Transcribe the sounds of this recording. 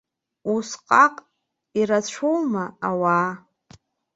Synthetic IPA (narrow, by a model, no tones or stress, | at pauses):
usqʼaqʼ | iɾat͡ɕʷʰowmaawaː